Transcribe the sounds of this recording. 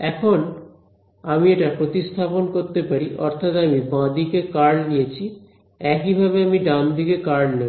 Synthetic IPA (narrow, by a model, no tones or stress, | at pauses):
ɛkʰon | amieʈapɾot̪ist̪ʰaponkoɾt̪epaɾiʔɔɾt̪ʰat̪amibãd̪ikekaɾɽnijet͡ɕʰi | ɛkibʱabeamiɖamd̪ʱikekaɾɽne